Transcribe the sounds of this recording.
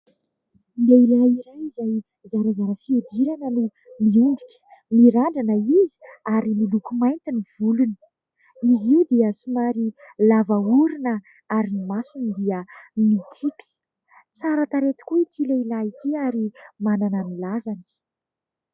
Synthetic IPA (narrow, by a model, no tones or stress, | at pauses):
miailaniɾajizaj | zaɾazaɾəfiud̪iɾanənu | miund̪ikʲə̥miɾaɳɖ͡ʐanəizi̥aɾimilukumajnt̪iniv̥uluni̥ | iziwd̪eəsumaɾi | lavauɾinə | aɾinimasunid̪iəmikʰipi̥ | t͡saɾat̪aɾet̪i̥kuit̪ʰilailait̪ʰiaɾimanananilazanə̥